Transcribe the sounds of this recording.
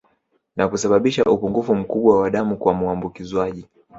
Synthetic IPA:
nakusaɓaɓiʃaʔupuŋɡufum̩kuɓwawaɗamukwamuambukizwaʄi

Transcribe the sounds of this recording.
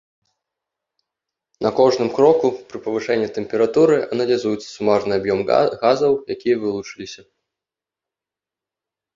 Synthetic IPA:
nɐkɔʐnɨmkɾɔkupɾɨpɐvɨʂɛnʲːit̪ɛmpʲɛɾat̪uɾɨʔɐnɐlʲazujɛt̪sːɐ̥sumarnɨabjɔmɣazɐwjakʲijɐvɨlˠut͡ʂɨlʲisʲɐ

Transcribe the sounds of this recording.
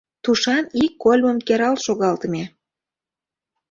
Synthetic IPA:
t̪uʃɑnikːolʲməmkeɾɑlʃoɣɑlt̪əme

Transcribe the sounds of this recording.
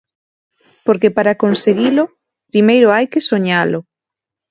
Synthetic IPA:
poɾkepaɾakonseɣilʊ | pɾimejɾʊajkɪsoɲalʊ

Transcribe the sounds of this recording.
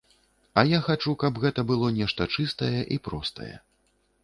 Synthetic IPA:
ɐjaxat͡ʂukɐbɣɛt̪ɐbɨlˠɔnʲɛʂt̪ɐt͡ʂɨst̪ɐjɛʔipɾɔst̪ɐ̰jɛ̰

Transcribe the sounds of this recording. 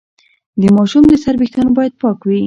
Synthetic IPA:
d̪əmɑʃumd̪əsaɾbɪxt̪ɑnobɑjad̪̚pɑkwi

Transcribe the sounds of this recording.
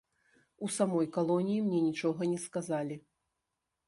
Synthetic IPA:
usamɔjkalˠɔnʲijimnʲɛnʲit͡ʂɔɣɐnʲɛskazalʲi

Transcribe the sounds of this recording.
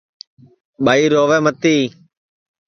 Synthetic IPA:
ɓaːiːɾoːʋɛːmət̪iː

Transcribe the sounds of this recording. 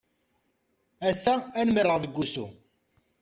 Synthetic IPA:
æsːæænmərːəʁðəɡʷːusṵ

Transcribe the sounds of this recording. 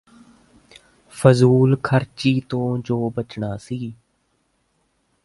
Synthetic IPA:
fəzuːlkʰəɾt͡ʃiːt̪õːd͡ʒoːbət͡ʃɳaːsiː

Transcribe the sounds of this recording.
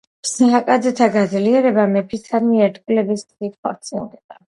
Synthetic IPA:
psaːkʼad̪zɛt̪ʰaɡad̪zliɛɾɛbamɛpʰisad̪miɛɾt̪ʼkʼulɛbisikχɔ̰ɾt̪sʼiɡɛd̪ʼa

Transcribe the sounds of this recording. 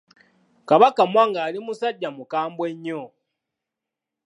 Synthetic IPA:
kaβakamwaŋɡalimusaɟːamukaːmbweɲːo

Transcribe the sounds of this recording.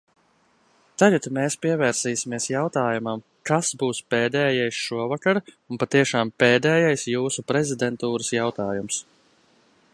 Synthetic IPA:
t̪aɡat̪meːspiɛvɛːɾsiːsimiɛsjawt̪aːjumam | kasbuːspeːd̪ɛːjajsʃuɔvakaɾunpat̪iɛʃaːmpeːd̪ɛːjajsjuːsupɾɛzid̪ɛnt̪uːɾəsjawt̪aːjums

